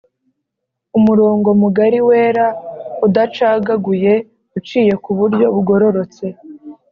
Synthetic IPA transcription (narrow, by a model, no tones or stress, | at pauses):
umuɾo̞ːŋɡo̞muɡaɾiwe̞ːɾaudat͡ʃaːɡaɡuje̞ | ɡut͡ʃiːje̞kuβuɾɟo̞βuɡo̞ɾo̞ɾo̞t͡se̞